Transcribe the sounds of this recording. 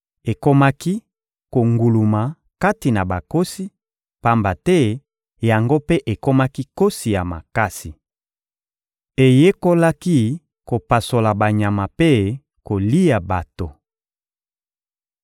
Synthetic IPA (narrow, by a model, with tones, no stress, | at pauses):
e˨ko˦ma˦ki˦ | ko˨ŋɡu˨lu˨ma˨ | ka˦ti˨na˨ba˨ko˦si˦ | pa˦mba˨tɛ˦ | ja˨ŋɡo˦pe˦ʔe˨ko˦ma˦ki˦ko˦si˨ja˨ma̰˨ka˦si˨ | e˨je˦ko˦la˦ki˦ | ko˨pa˨so˨la˨ba˨ɲa˨ma˨pe˦ | ko˨li˦ja˨ba˨to˨